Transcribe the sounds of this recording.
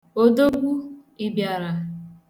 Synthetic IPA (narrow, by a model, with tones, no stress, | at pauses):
o˦do˦ɡʷu˦i˨bja˨ɾa˨